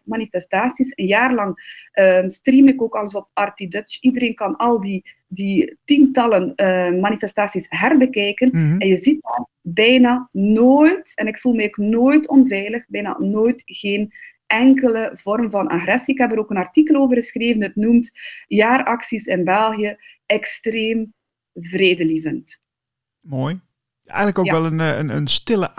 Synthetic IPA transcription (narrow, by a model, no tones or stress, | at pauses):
manifɛstaːsisənjaːrlɑŋʔəstrimɪkoːkɑləs̬ɔpɑrtidøt͡ʃidəɾeːnkɑnɑlˠdi | ditintɑlənmanifɛstaːsisɦɛrbəkɛjkənɛnjəzit̚ɑn | bɛjnaːnoːjtɛnɪkfulˠmɛːknoːjtʰɔnvɛjləxbɛjna̰ːnoːjtɣeːn | ɛŋkələvɔrmvɑna̰xrɛsiɪkɦɛpəɾoːkənɑrtikəlˠoːvərɣəsxreːvənətnumtjaːrɑksisɪnbɛlˠɣijə | ɛkstreːm | vreːdəlivənt | moːj | ɛ̰jɣnləkoɛlˠənnə̰nstɪlə